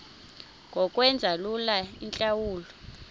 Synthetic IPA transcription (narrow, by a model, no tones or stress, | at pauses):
ŋʱɔkʼwɛnd͡zʱalulaint͡ɬʼawuːlɔ